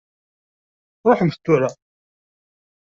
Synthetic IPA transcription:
ɾˤoħəmθə̥t̪ːuɾa

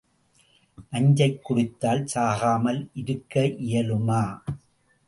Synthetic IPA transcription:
ʔɐɲd͡ʒɐɪkːʊɽɪt̪ːaːlsaːɣaːmɐlʔɪɾɯkːɐʔɪjɐlɯmaː

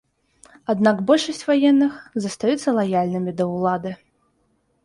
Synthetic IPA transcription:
ad̪naɡbɔlʲʂɐsʲt͡sʲvajɛnːɨxzɐst̪ajut̪sːɐlˠajalʲnɨmʲid̪ɐwlˠad̪ɨ

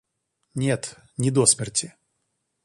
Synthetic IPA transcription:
nʲɛt̪ | nʲɪd̪ɔsʲmʲɛrtʲɪ

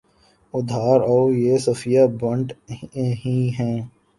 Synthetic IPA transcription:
ʊd̪ʱaːɾɔːjesɐfijabɐ̃ɳʈɦĩɦɛ̃ː

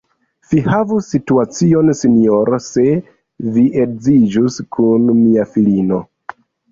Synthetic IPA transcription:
v̥ihavusːituat͡sio̞nsinijoɾase̞ | viʔekzid͡ʒuskʰunmiafilino̞

